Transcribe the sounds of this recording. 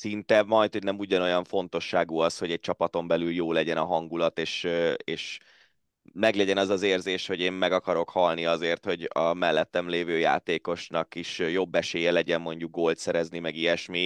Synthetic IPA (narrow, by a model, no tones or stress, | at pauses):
sint̪ɛmɒjt̪ho̞ɟnɛmuɟɒno̞jɒɱfo̞nt̪o̞ʃːaːɡuɒsho̞ɟɛc̚t͡ʃɒpɒt̪o̞mbɛlyljoːlɛɟɛnɒɦɒŋɡulɒt̪eːʃeːʃ | mɛɡlɛɟɛnɒzɒzeːrzeːʃho̞ɟeːmmɛɡɒkɒɾo̞khɒlniɒzeːrt̪ho̞ɟɒmɛlːɛt̪ːɛmleːvøːja̰ːt̪eːko̞ʃnɒkiʃjo̞bːɛʃeːjɛlɛɟɛmmo̞ɲɟuɡ̚ɡolt̪sɛɾɛznimɛɡijɛʃmi